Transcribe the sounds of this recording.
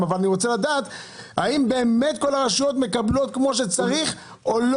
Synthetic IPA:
mavalaniʁo̞t͡seladaːt | haimbe̞ːme̞tko̞laʁeʃujotme̞kablo̞tkmo̞ʃ̬et͡saʁiχ | o̞l

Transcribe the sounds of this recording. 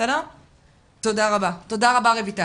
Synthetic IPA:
ala | t̪od̪aʁabat̪od̪aʁabaʁevit̪a

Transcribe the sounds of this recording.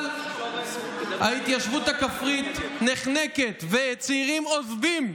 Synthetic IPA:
l | hait̪jaʃvut̪hakafʁit̪neχneke̞t̪vet͡siʁimozvim

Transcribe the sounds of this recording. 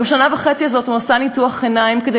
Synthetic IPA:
beʃanavaχe̞t͡siazo̞thunasanituaχenaimked̪e

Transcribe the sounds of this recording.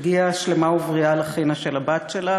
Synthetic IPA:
ɡiaʃlemauvʁialaχinaʃelabatʃela

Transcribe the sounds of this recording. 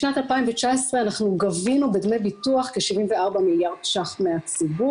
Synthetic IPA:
ʃnat̪alpaimvet͡ʃaesʁeanaχnuɡavinubedmejbituaχkeʃivimveaʁbamiljaʁd̪̥ʃaχtmeat͡sibu

